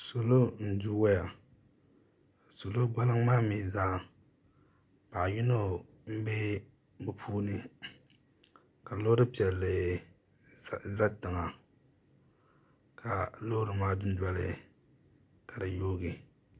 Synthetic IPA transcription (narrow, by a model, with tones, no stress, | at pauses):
so˨lo˦n̩˦˨du˦wa˦ja˨ | so˨lo˦ɡ͡ba˦lɨ˦ŋmaː˦miː˦zaː˦ | pa˨ʔji˦no˦ | m̩˦bɛ˦ | bɨ˨pʰuː˦nɨ˦ | ka˨lo˦ɾɨ˦pi˨ɛ˨lːɨ˨ | za˦tɨ˨ŋa˨ | kʰa˨lo˦ɾɨ˨maː˦dʊ˦n̩˦dɔ˦lɨ̰˦ | ka˨da˨jo˦ɡɨ˨